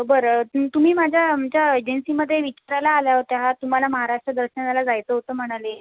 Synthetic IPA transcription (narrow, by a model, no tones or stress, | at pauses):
bəɾət̪um̤iːmad͡ʑʱjat͡ɕjaəd͡ʑənsiːməd̪ʱːjeʋit͡ɕaɾalaːljaʋot̪jaɦat̪um̤alaməɦaɾaʂʈɾəd̪əɾɕəanalad͡zajt͡səːɦot̪əːm̤əɽ̃ale